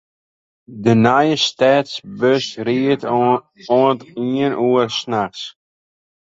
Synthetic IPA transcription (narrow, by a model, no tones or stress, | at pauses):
dənajəstɛːtsbøsɾiət | ɔntiənʔuərsnaxs